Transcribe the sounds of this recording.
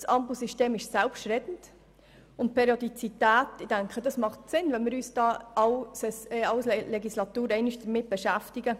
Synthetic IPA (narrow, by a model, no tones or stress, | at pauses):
sɑmpusiʃteːmɪʃsælpʃtɾɛtn̩t | ʊnt̚pʰeɾjodit͡sitæːtɪd̥æŋkχədɑsmɑχtsɪnvɛnmɪːɾyːsd̥ɑːɑwsɛsɛɑwslɛɡislɑtuːɾɛɪnɪʃd̥əɾmɪt̚b̥ɛʃæftiɡə